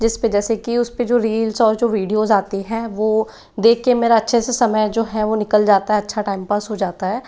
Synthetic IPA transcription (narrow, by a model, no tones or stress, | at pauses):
d͡ʒɪsped͡ʒɛːsekiʊsped͡ʒoːɾiːlsɔːɾd͡ʒoːʋiːɖijoːzaːt̪eɦɛ̃ʋoː | d̪eːkʰːemeːɾaɐtːʃʰesesɐməjd͡ʒoːɦɛʋonɪkəld͡ʒaːt̪aɦɛɐtːʃʰaʈaːɪmpəsɦod͡ʒaːt̪aɦɛː